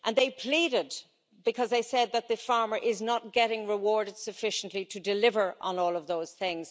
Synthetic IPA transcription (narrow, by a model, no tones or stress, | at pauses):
ʔə̃nðeɪpʰl̥iɾɪd̚ | bɨkʰʌzðeɪsɛd̪̚ðɨt̪̚ðɨfɑɹmə˞ʔɪznət̚ɡ̥ɛɾɪ̃ŋɹɪwɔɹɾɨd̥sɨfɪʃn̩ʔliɾɨdɨlɪvə˞ʔə̃nɔːlˠʌvðoʊz̥θɪ̃ŋz̥